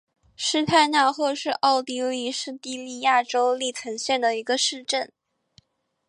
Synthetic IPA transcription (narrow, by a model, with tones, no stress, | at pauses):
ʂɻ̩˥˧t̪ʰa˥˧ɪna˥˧xɔ˥˧ʂɻ̩˥˧ʔɑ˥˧ʊt̪i˥i˥˧ʂɻ̩˥˧t̪i˥˧li˥˧ja˥˩ʈ͡ʂo˥ʊli˥˩t͡sʰə˧˥ŋɕjɛ˥˩nd̪ə˩i˧˥ɡə˧ʂɻ̩˥˧ʈ͡ʂə˥˩n